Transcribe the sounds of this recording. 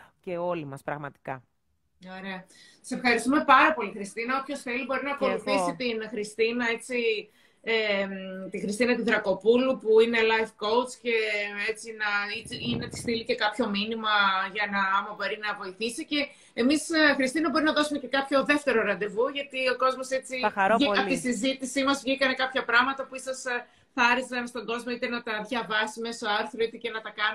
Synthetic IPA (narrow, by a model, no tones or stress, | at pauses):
ceolimɐspɾɐɣmɐt̪i̥kɐ | o̞ɾe̞ɐ | ɐ̥se̞fxɐɾist̪ume̞pɐɾɐpo̞lixɾist̪inɐop̪ço̞sθe̞libo̞ɾinɐːko̞luθisit̪inxɾist̪inɐe̞t͡si | et̪ixɾist̪inɐt̪uðɾɐko̞pulupuine̞lɐjfko̞wt͡sce̞e̞t͡sinɐiiinet̪i̥st̪ilice̞kɐpço̞minimɐʝɐnɐɐmɐbo̞ɾinɐvo̞iθisice̞ | emisxɾist̪inɐbo̞ɾinɐðo̞sumece̞kɐpço̞ðe̞ft̪e̞ɾo̞ɾɐnd̪e̞vuʝɐt̪io̞ko̞zmo̞se̞t͡siɐɾiɐt̪isizit̪isimɐzvʝikɐne̞kɐpçɐpɾɐɣmɐt̪ɐpuisɐs | θɐɐɾisɐnst̪o̞ŋɡo̞zmo̞it̪e̞nɐt̪ɐðʝɐvɐsime̞so̞ɐɾθɾoit̪ece̞nɐt̪ɐkɐn